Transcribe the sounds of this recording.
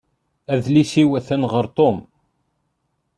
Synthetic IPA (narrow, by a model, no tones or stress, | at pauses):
æðlisiwæθænʁəɾt̪ˤom